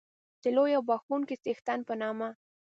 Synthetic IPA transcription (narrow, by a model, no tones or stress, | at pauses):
d̪̥əlojawbɑxunkisext̪anpənɑma